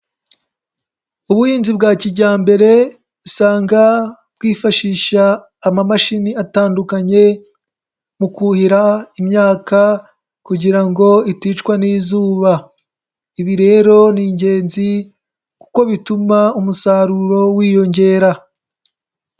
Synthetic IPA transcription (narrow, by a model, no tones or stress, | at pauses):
uβujiːnzibɡaːciɟaːmbe̞ɾe̞ | βusaːŋɡa | b̥̚ɡiːfaʃiːʃaː | mamaʃiniataːndukaɲe̞ | mukuhiɾaimɲaːka | kuɟiɾaŋɡo̞itiːt͡ʃkwaniːzuːβa | iβiɾe̞ːɾo̞niɲɟe̞ːnzi | ku̥ko̞βitumaumusaɾuɾo̞wiːjo̞ɲɟe̞ːɾa